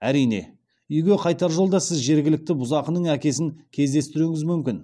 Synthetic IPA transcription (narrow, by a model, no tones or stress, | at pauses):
æɾijne̞̰ | ʏjɡʲe̞qʰɑjt̪ɑɾʒo̞lˠd̪ɑsɪzʒe̞ɾɡʲɪlɪk̚t̪ɪbʊzɑqənəɴækʲe̞sɪŋkʲʰe̞zd̪e̞st̪ɪɾuɪŋɪzmʏmkʲɪn